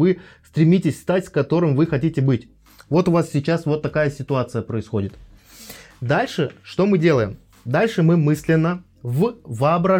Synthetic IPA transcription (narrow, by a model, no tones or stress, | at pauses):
ɨst̪ɾʲɪmʲitʲɪsʲst̪atʲskɐt̪o̞ɾɨmvɨxɐtʲitʲɪbɨtʲ | vo̞t̪ʊvassʲɪt͡ɕasvo̞t̪ːɐkajəsʲɪt̪ʊat̪sɨjəpɾəɪsxo̞dʲɪt̪ | d̪alʲʂɨʂt̪o̞mɨdʲe̞lˠəjɪm | d̪alʲʂɨmɨmɨsʲlʲɪnːə | vvəɐbɾɐ